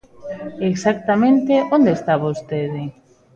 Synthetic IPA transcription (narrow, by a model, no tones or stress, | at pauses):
eksak̚t̪amẽnt̪eʔond̪est̪aβost̪eðɪ